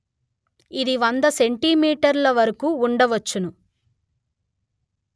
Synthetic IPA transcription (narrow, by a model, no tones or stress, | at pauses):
id̪iʋɐnd̪ɐseɳʈimiːʈɐɾlɐʋɐɾɐkuːɳɖɐʋɐt͡ʃːunu